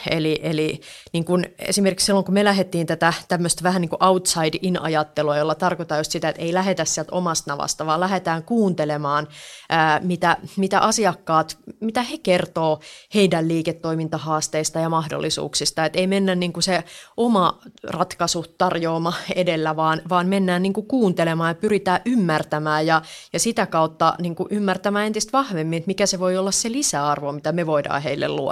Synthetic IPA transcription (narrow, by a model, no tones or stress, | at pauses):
ḛliʔeliniːŋkunḛsimerkiksilːoŋkumelæɦet̪ːiːnt̪æt̪æt̪æmːøst̪ʋæhæniːŋkuʔɑut̪sɑidinɑ̰jɑt̪ːeluɑjolːɑt̪ɑrkot̪ɑːjust̪sit̪æet̪eilæɦet̪æssiælt̪o̰mɑst̪nɑʋɑ̰st̪ɑʋɑːlæɦet̪æːŋkuːnt̪elemɑːnʔəːmit̪æmit̪æ̰ʔɑsiɑkːɑːt̪mit̪æhekert̪oːheidælliːket̪ːoimint̪ɑhɑːst̪eist̪ɑjɑmɑhdo̰lːisṵːksist̪ɑet̪eimenːænniːŋkuseomɑrɑt̪kɑsut̪ɑrjoːmɑedelːæʋɑːnʋɑːnmenːæːnniŋkukuːnt̪elemɑːjɑpyrit̪æːʔymːært̪æmæːjjɑjɑsit̪ækɑut̪ːɑ̰niːŋkuʔymːært̪æmæːent̪ist̪ʋɑhʋemːinet̪mikæseʋoiolːɑsselisæːɑrʋomit̪æmeʋoidɑ̰ːheilːḛlluo̰